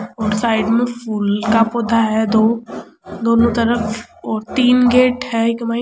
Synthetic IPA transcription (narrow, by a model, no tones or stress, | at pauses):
ɔːɾsaːɪɖmẽfʰuːlkapʊːd̪ʱaɦɛd̪oː | d̪oːnõt̪ɐɾəfɔːɾt̪iːnɡeːʈhɛɪkmaː